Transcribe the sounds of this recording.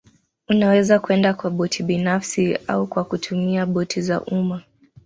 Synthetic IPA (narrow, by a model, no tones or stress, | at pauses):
unawɛzakuɛndakwaɓɔtʰiɓinafsia̰ukwakutʰumiaɓɔtʰiza̰ʔuma